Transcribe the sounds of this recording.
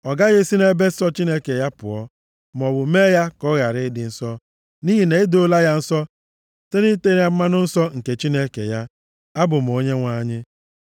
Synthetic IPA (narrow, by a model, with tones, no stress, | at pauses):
ɔ˨ɡa˦ɣe˦si˦ne˦be˦sɔ˦t͡ʃi˦ne˦ke˨ja˦pʊ̰˨ɔ˦ | m˨ɔ˨bʊ˨meː˦ja˦kɔ˦ɣa˨ɾɪ˦dɪ˨n̩˦sɔ˦ | ni˦ɦi˨ne˨ɪ˦do˦la˦ja˦n̩˦sɔ˦ | te˦ni˦te˦a˦m̩˦ma˦nʊ˦n̩˦sɔ˦ŋ̩˨ke˨t͡ʃi˦ne˦kḛ˨ja˦ | a˦bʊ˨m̩˨o˦ɲe˦ŋʷa˦ɲɪ˦